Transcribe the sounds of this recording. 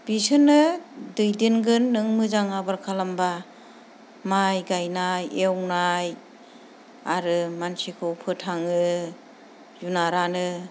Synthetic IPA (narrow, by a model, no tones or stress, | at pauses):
b̥isɯnɯdɯjdɯnɡɯnːɯŋmɯzaŋabaɾkʰalamba | majɡajnajewnaj | aɾɯmansikʰɯwpʰɯtʰaŋɯ | junaɾanɯ